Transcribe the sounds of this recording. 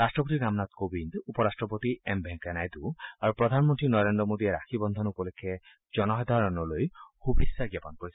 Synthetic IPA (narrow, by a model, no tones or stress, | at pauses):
ɾastɹɔp̬ot̪inamnat̪kobindupɔɾastɹɔpot̪iɛmbʱɛŋkanajd̪uaɹupɹɔd̪ʱanmɔntɹinɔɹendɹɔmod̪iɛɾaxʰibɔnd̪ʱɔnupɔlokʰɛ | d͡ʒɔnɔɦad̪ʱaɹɔnɔlojhubʱisːaɡapɔnkoɹis